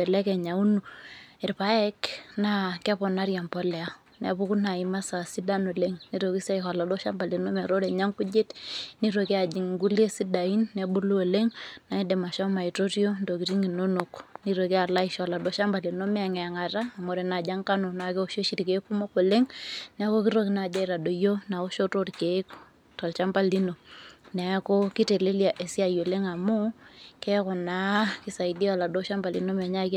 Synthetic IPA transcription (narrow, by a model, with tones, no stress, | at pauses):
ɛ˨lɛ˦kɛ˨ɲa˨u˦nu˨ɛ˨ɾpa˦ɛ˦kna˦kɛ˦pɔ˨na˦ɾja˨mpɔ˦lɛ˨a˨ | nɛ̰˨bu˦ku˦na˨i˨ma˦sa˨si˦da˦no˨le˦ŋni˦ɾo˨ki˦se˦ha˨la˨do˦ʃa˦mba˨li˨no˦mɛ˨ɾo˦dɛ˨ɲa˦ŋku˦d͡ʒe˦tni˦ɾo˨ke˦a˨d͡ʒi˨ŋ˨ɡu˦le˦si˦da˨i˦nːɛ˨bu˦lu˦o˨le˦ŋna˨i˦de˨ma˨ʃɔ˦ma˨i˨to˦ɾi˦o˦ndo˨ki˨ti˦ŋi˨no˦no˨kni˦ɾo˨ki˦a˨la˦i˨ʃɔ˨la˨do˨˦ʃa˦mba˨li˨no˦mɛ˨ŋɛ˨ŋa˨taː˦˨mo˨ɾe˨na˨d͡ʒa˦ŋka˦no˨na˨ke˦o˨ʃo˦ʃi˦ɾi˨ke˦ku˦mo˦ko˨le˦ŋnɛ˨˦ko˦ki˦ɾo˦ki˦na˨d͡ʒa˦i˦ɾa˨do˨jo˦na˨o˦ʃo˦to˦tke˨˦k | tɔ˨lt͡ʃa˦mba˦˨li˦no˨nɛ˨˦ko˦ki˦te˨le˦lja˨ʔe˨si˦a˦jo˨le˦ŋa˨mu˦kɛ˦kɔ˨na˨˦ki˦sa˨i˨di˦a˨la˨do˦ʃa˦mba˨li˨no˦mɛ˨ɲa˦k